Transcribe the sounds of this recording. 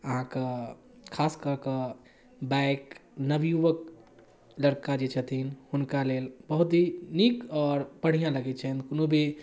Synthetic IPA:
əɦãkə | kʰaskəɾkə | bajknəbjuʋək̚ | ləɾkad͡ʒet͡ʃʰət̪ʰinhunkalelbəɦut̪ɦinikɔːɾpəɽ̤ijãləɡɛt̪t͡ʃʰəɦnkonobʱi

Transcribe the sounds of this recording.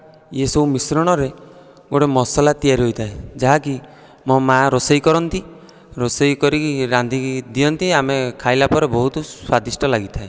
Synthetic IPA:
jesowmisɾɔɽ̃ɔɾe | ɡoʈemɔsɔlat̪ijaɾiɦojt̪ʰaed͡ʒaɦaki | mɔmaɾosɔjkɔɾɔnt̪i | ɾosɔjkɔɾikiɾand̪ʱid̪ijɔnt̪iamekʰajlapɔɾebɔɦut̪ɔswad̪isʈɔlaɡit̪ʰae

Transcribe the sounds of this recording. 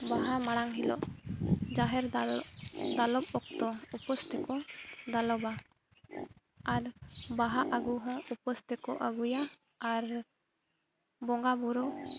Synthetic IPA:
baɦamaɽ̃aŋɦilɔ̰ʔd͡ʒaɦɛɾ | d̪alɔb̚ɔk̚t̪ɔupɔst̪ɛkɔd̪alɔba | aɾbaɦaʔaɡuɦə̃upɔst̪ikɔʔaɡujaː | ɾ | bɔŋɡabuɾɔ

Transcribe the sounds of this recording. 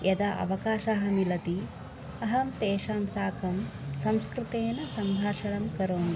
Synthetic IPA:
jʔɐd̪ɐʔɐ̰ʋɐkaːʃaːɦɐmilɐt̪i | ɐɦɐmt̪eːʃaːmsaːkɐmsɐmskɾɨt̪eːnɐsɐmbʱaːʃɐɭɐmkɐɾoːn

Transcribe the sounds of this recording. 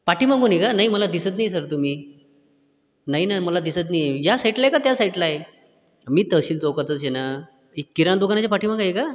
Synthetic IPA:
paʈiːmãŋɡunekanaɦiməlad̪isət̪̬najsəɾt̪um̤iː | naɦinaməlad̪isət̪̬nijejasaiʈlaekat̪jasaiʈlae | miːt̪əɕiːnt͡sokət̪ət͡ɕena | ikːiɾand̪okanat͡ɕjapaʈʰiːm̤ãŋɡajeka

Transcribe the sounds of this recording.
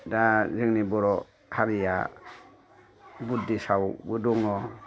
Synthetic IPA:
dazɯŋnibɔɾɔ | haɾija̰ | butdisawbɯduŋnɔ

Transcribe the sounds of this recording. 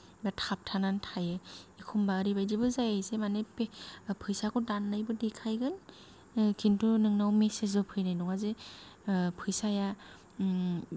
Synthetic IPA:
batʰap̚tʰanantʰajɯekʰumbaːɾibajdibɯzajajsemanepepʰɯjsakʰɔdanːajbɯdekʰajɡɯn | kʰintʰunɯŋnawmesezbɯpʰɯjnajnɔŋaze | pʰɯjsaja

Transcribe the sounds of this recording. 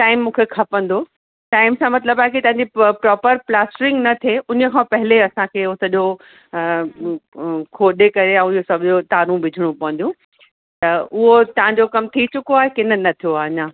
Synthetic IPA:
ʈaːɪmːũːkʰekʰɐpə̃nd̪o | ʈaːɪmsãmɐt̪̬ləbaɦkit̪ɐ̃ɦãɲd͡ʑipɾɔːpəɾplaːsʈɾɪ̃ŋɡnɐt̪ʰeʔʊnə̆kʰãpɐɦɪleɐsãkʰeːʊsɐʄo | kʰoːɗekɐɾeɛ̃ːosɐbʱɪʄot̪aːɾũbɪd͡ʑʱɪɽ̃ũpɐʋə̃nd̪jũ | t̪ɐʊɦot̪ɐɦãɲd͡ʑokɐmt̪ʰit͡ɕʊkoaːɦekɪnənɐt̪ʰijoaːɦɲãː

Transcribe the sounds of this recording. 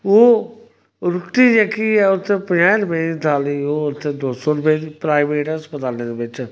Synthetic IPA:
oː | ɾʊkʈiːd͡ʒeːkiːɛːʊt̪ʰːẽːpəjãːɾʊped̪it̪ʰaːliːoːʊt̪ʰːẽːd̪oːsoːɾʊpeːd̪iːpɾaːɪʋeːʈəspət̪aːneːd̪eːbɪt͡ʃ

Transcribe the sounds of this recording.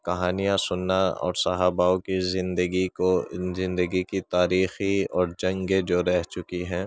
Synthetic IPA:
kɐɦaːnijasʊnːaɔ̰ːɾsɐɦaːbaːokizɪ̃nd̪əɡiozɪ̃nd̪əɡikit̪aːɾiːxiɔːɾd͡ʒɐ̃ŋɡed͡ʒoːɾɛɦt͡ʃʊkiɦɛ̃ː

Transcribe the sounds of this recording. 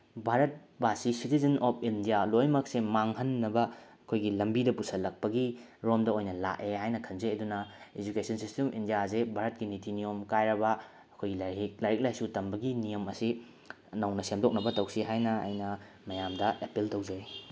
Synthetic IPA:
bʱaɾɐt̚basisitizɐnʔɔpʰindijalojmɐk̚semaŋɦɐnːɐbɐɐkʰojɡilɐmbidɐpusɐlɐk̚pɐɡi | ɾomdɐojnɐla̰ʔeɦajnɐkʰɐnzeɐdunɐed͡ʒukesɐnsistemʔḭndijazebʱaɾɐt̚ɡinitinijomkajɾɐbɐ | ɐkʰojɡilaik̚lajɾik̚lajsutɐmbɐɡinijɐmɐsi | nɐwnɐsemdok̚nɐbɐtɐwsiɦajnɐɐ̰jnɐ | mɐjamdɐʔepiltɐwd͡ʒaj

